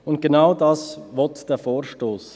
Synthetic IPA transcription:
ʊnt̚ɡ̥enaʊdɑːsvɔtd̥ɛːfoːɾʃtoːs

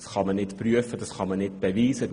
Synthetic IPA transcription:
sχɑmənɪtpryəfəd̥ɑsχɑmənɪtb̥eʋiːsə

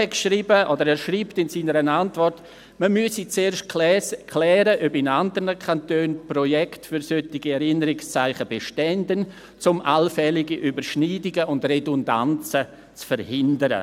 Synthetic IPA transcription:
ɛkʃriːbəʔodəɾɛːɾʃriːptɪnsiːnəɾənantvɔrt | məmyəsit͡seːʃtkʰlɛːɾəʔœbɪnandəɾnəkʰantøːnprojɛktfyɾsøtɪɡiɛɾɪnəɾɪkst͡saɪχəbeʃtɛndən | t͡sʊmʔa̰lfɛlɪɡiʔybəɾʃniːdɪɡəʊndredʊnda̰nt͡sə | t͡sfəɾhɪndəɾə̰

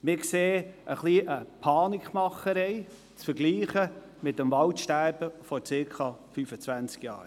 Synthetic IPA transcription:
mɪkseːʔəχliːʔəpʰɑːnɪkχmɑχəɾɛɪ | t͡sfəɾɡliːχə | mɪt̚dəmvɑʊtʃtæɾb̥əfɔt͡sɪːkʰɑfyfət͡svænt͡skjɑ̰ːɾ

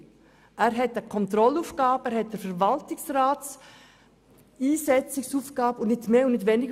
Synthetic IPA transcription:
ʔæːɾɦɛtəkʰɔntɾɔluːfɡ̥ɑːbæɾhɦɛt̚d̥əɾfəɾvaltɪksraːt͡s | iːsɛt͡sɪksuːfɡɑːbəʊnnɪtmeːʊnnɪtvʋɛnɪɡ

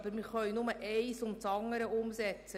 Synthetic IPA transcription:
b̥əɾmɪɾχœɥnʊməʔɛɪsʊmt͡sɑŋəɾəʔʊmsɛt͡sə

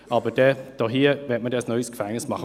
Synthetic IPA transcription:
ɑbəd̥ɛd̥ɔɦiəvɛt̚mədɛsnœʏəskfɛŋnɪsmɑχə

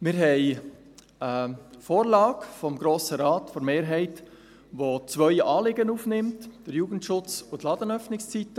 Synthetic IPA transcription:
mɪɾɦɛɪ | əfoːɾlɑːɡfɔmɡɾoːsəɾɑːtfoɾmeːɾɦɛɪt | ʋot͡sʋœʏɑːlɪɡənuːfnɪmtd̥əɾjuːɡ̥ən̩tʃʊt͡sʊtlɑːdənœfnɪkst͡siːtə

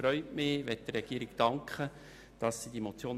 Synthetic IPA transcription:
ɾœʏtmɪʋɛt̚dəɾɛɡ̥iːɾɪɡd̥ɑŋkχə | d̥ɑsːidimot͡sjoːn

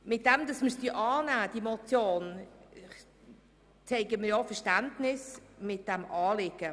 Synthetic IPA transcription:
mɪt̚d̥ɛmd̥ɑsməsd̥yːʔɑːnæːd̥imot͡sjoːn | t͡sɛɪɡəməjɔfɛʁʃtæntnɪsmɪt̚d̥ɛmʔɑːlɪɡ̥ə

